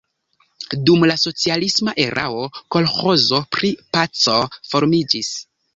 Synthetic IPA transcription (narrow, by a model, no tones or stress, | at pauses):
dumlaso̞t͡sialismaʔe̞ɾʔa̰o̞ko̞lxo̞zo̞pɾipat͡so̞fo̞ɾmid͡ʒis